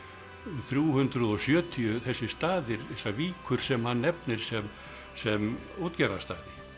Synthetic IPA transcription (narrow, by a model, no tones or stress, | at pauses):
θɾjuːhʏnt̪ɾʏðɔsjœːt̪ʰiʏθɛsːɪst̪aːðɪɾθɛsaviːkʰʏɾ̥sɛmhanːɛpnɪɾ̥sɛm | sɛm | oːt̪cɛɾast̪a̰ːðɪ